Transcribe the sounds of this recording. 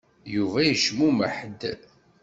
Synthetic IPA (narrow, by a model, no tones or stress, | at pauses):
juvæjəʃmuməħd̪